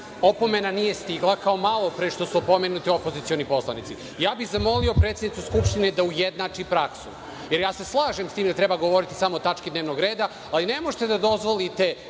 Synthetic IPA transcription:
o̞po̞me̞nanije̞st̪iɡlˠakaomalˠo̞pɾeʃt̪o̞suopo̞menut̪iopo̞zit̪sio̞nipo̞slˠa̰nit̪si | jaːbixzamo̞liopɾet̪ed̪nit̪uskupʃt̪ine̞d̪aujed̪naːt͡ʂipɾaksṵ | je̞ɾjaːse̞slˠaːʒemst̪iːmd̪at̪ɾebaɡo̞ʋo̞ɾit̪i̥samoːt̪at͡ʃkid̪neʋnoɡɾeːd̪a | alinemoʒet̪ed̪ad̪o̞zʋo̞lit̪e̞

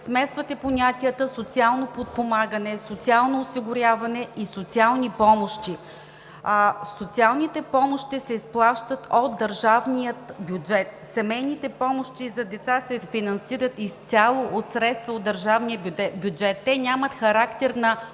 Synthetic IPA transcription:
smɛsvət̪ɛponʲat̪iət̪əsot̪sialˠnopot̪̚pomaɡənɛsot̪sialˠnoːsiɡʊɾʲjavɐnɛisot̪sialˠnipɔmoʃt̪i | sot̪sialˠnit̪ɛpɔmoʃt̪isɛisplˠaʃt̪ət̪od̪̚d̪ɐɾʒavnijət̪bjud͡ʒɛt̪ | sɛmɛjnit̪ɛpɔmoʃt̪izɐd̪ɛt̪sasɛfinɐnsiɾət̪ist̪ʲalˠoʔot̪sɾɛt̪st̪vəod̪ːɐɾʒavnijəbjud͡ʒɛt̪ːɛnʲamət̪xɐɾakt̪ɛɾnɐ

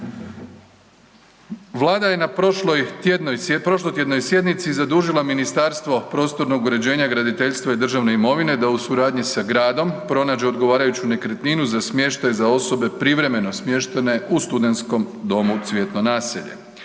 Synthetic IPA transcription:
ʋlˠaːd̪aje̞napolojd̪nojpɾo̞ʃ̬lˠojt̪je̞d̪no̞jsje̞d̪nit̪sizad̪uːʒilˠaminist̪aɾst̪ʋo̞pɾo̞ːst̪o̞ɾno̞ɡuɾe̞d͡ʑe̞ːɲaɡɾad̪it̪e̞ʎʲst̪ʋaid̪r̩ʒaʋne̞imo̞ʋine̞d̪ausuɾaːd̪ɲisaɡɾaːd̪o̞mpɾo̞naːd͡ʑe̞o̞d̪ɡo̞ʋaːɾajut͡ɕune̞kɾet̪ninuzasmje̞ʃt̪ajzao̞so̞be̞pɾiʋɾe̞me̞nosmje̞ʃt̪ene̞ust̪ud̪e̞nt̪sko̞md̪o̞mut̪sʋje̞t̪no̞naːsḛʎe̞̰

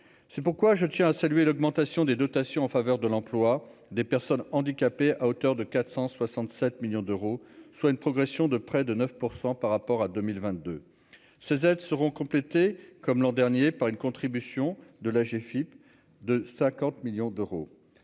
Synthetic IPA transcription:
sɛpuʁkwaʒət̪jɛ̃asalɥelɔɡmɑ̃t̪asjɔ̃d̪ed̪ɔt̪asjɔ̃ɑ̃favœʁd̪əlɑ̃plwad̪epɛʁsɔnɑ̃d̪ikʲapeʔaot̪œʁd̪əkat̪χsɑ̃swasɑ̃t̪sɛt̪miljɔ̃d̪øʁoswaynpχɔɡʁɛsjɔ̃d̪əpχɛd̪ənœfpuʁsɑ̃paʁːapɔʁad̪ømilvɛ̃t̪̚d̪ø | sezɛd̪səʁɔ̃kɔ̃plet̪ekɔmlɑ̃d̪ɛʁnjepaʁynkɔ̃t̪χibysjɔ̃d̪əlaʒefip | d̪əsɛ̃kɑ̃t̪miljɔ̃d̪øʁo

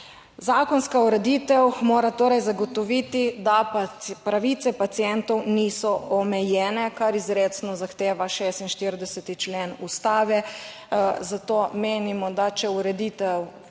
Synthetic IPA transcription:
zaːkɔnskauɾɛd̪it̪ɛwmoːɾat̪oːɾajzaɡɔt̪ɔʋiːt̪id̪appɾaʋiːt̪sɛpat̪sijɛnt̪ɔwniːsɔɔmɛjɛːnɛkaɾizɾeːt̪snɔzaxt̪eːʋaʃeːst̪inʃt̪iɾd̪ɛsɛt̪it͡ʃlenust̪aːʋɛ | zat̪oːmeːnimɔd̪at͡ʃɛuɾɛd̪it̪ɛw

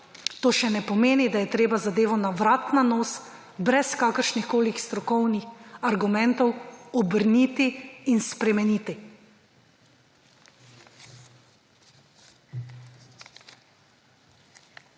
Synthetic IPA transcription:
t̪oːʃɛnɛpɔmeːnid̪ajɛt̪ɾeːbazad̪eːʋɔnaʋɾaːt̪nanoːs | bɾɛskaːkəɾʃnixkoːlixst̪ɾɔkɔwnixaɾɡumɛnt̪ɔwɔbəɾnit̪iːnspɾɛmɛniːt̪i

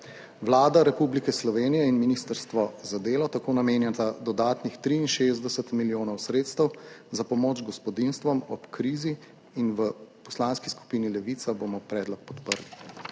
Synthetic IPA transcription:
ʋlaːd̪aɾɛpublikɛslɔʋeːnijɛinminist̪əɾst̪ʋɔzad̪eːlɔt̪akoːnameːnjɛt̪ad̪ɔd̪aːt̪nixt̪ɾiːnʃeːzd̪ɛsət̪miljoːnɔwsɾeːt̪st̪əwzapɔmoːd͡ʒɡɔspɔd̪inst̪ʋɔmɔ̰pkɾiːziː | nʋəpɔslaːnskisku̥pinilɛʋit̪saboːmɔpɾɛːd̪lɔk̚pɔt̪pəɾli

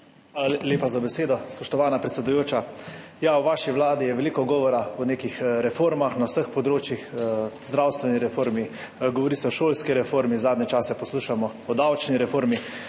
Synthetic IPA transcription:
xʋaːlaleːpazabɛseːd̪ɔspɔʃt̪ɔʋaːnapɾɛt̪sɛd̪ujoːt͡ʃajawʋaːʃiʋlaːd̪ijɛʋɛliːkɔɡɔːʋɔɾaɔneːkixɾɛfoːɾmaxnawsəxpɔd̪ɾoːt͡ʃjixzd̪ɾaːwst̪ʋɛniɾɛfoːɾmi | ɡɔʋɔɾisɛɔʃoːlskiɾɛfoːɾmizaːd̪nʲɛt͡ʃaːsɛpɔsluːʃamɔ | ɔd̪awt͡ʃniɾɛfoːɾmi

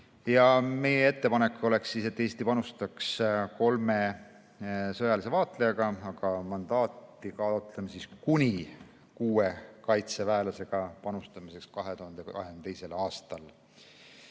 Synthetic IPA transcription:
jɑme̞jee̞t̪ːe̞pɑne̞kːˑo̞le̞ksːiːse̞t̪ːe̞ːst̪ipɑnust̪ɑksko̞lme | sɤjɑlise̞vɑːt̪ˑlejɑɡ̥ɑɑɡ̥ɑmɑnd̪̥ɑːt̪ːˑikɑːot̪lemsiskunʲi | kuːekɑjt̪sevæːlɑse̞ɡ̥ɑpɑnust̪ɑmise̞kskɑɦe̞t̪uhɑnd̪ekɑ̰ɦenet̪ejse̞lɑːst̪ɑl

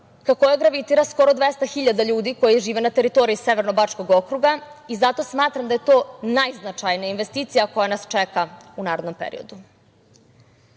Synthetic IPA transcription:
kakojeɡɾaʋit̪iːɾasko̞ɾo̞d̪ʋest̪axiʎad̪aʎuːd̪iko̞jiʒiːʋenat̪e̞ɾit̪o̞ɾiiseʋe̞ɾnobat͡ʂko̞ɡokɾuɡaizat̪o̞smaːt̪ɾamd̪aje̞t̪o̞ːnajznat͡ʂajnijainʋe̞st̪iːt̪sijako̞janast͡ʃekaunaːɾed̪no̞mpḛɾḭo̞d̪u

